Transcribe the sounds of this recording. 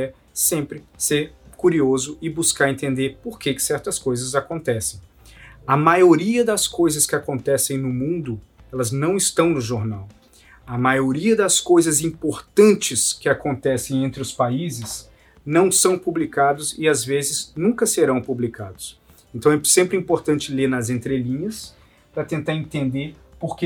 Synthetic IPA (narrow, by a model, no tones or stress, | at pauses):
ɛ | sẽmpɾɪseɾkuɾiozʊɪbuskaɾẽnt̪ẽnd̪eɾpoɾkekɪ̥sɛɾt̪ɐskojzɐzakõnt̪ɛsẽj̃ | ɐmajoɾiɐd̪ɐskojzɐskɪakõnt̪ɛsẽj̃nʊmũnd̪ʊɛlɐznɐ̃w̃ɪst̪ɐ̃w̃nʊʒoɾnaw | ɐmajoɾiɐd̪ɐskojzɐzĩpoɾt̪ɐ̃nt͡ʃɪskɪakõnt̪ɛsẽj̃ẽnt̪ɾɪʊspaizɪs | nɐ̃w̃sɐ̃w̃publikad̪ʊsɪazvezɪznũkɐseɾɐ̃w̃publikʰad̪ʊs | ẽnt̪ɐ̃w̃ɛsẽmpɾɪĩpoɾt̪ɐ̃nt͡ʃɪlenɐzẽnt̪ɾelĩɲɐs | pɾɐt̪ẽnt̪aɾẽnt̪ẽnd̪eɾpoɾke